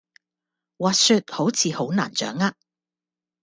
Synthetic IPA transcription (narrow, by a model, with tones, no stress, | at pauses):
waː˨˧t̚sy˧t̚ho˨˥wt͡sʰiː˨˧ho˨˥wna̰ː˨˩nt͡sœ̰ː˨˥ŋaː˧k̚